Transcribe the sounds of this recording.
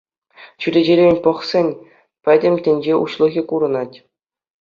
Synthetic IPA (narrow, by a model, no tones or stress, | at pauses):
t͡ɕyɾʲed͡ʑelʲenʲpɤ̆χsʲenʲ | pʲɘ̆dʲɘ̆mʲtʲenʲd͡ʑeʔṵɕlˠɤ̆ɣʲikuɾɤ̆nɑtʲ